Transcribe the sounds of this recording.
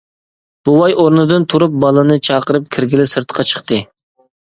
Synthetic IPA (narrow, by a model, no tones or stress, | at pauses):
b̥uwɑjoɾnɨd̪ɨnt̪ʰuɾup̚bɑlˠɨnɨt͡ʃʰɑqəɾɨp̚kʲʰɪɾɡʲilɪsɨɾt̪qʰɑt͡ʃʰə̥χt̪ɨ